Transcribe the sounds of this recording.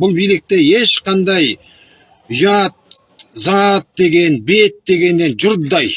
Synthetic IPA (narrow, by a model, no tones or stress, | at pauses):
bʊlˠbijlɪk̚t̪e̞je̞ʃqɑnd̪ɑj | ʊʒɑt̪̚ | zɑt̪̚d̪e̞ɡʲe̞nbe̞t̪̚d̪e̞ɡʲe̞nːe̞nʒʊɾd̪d̪ɑj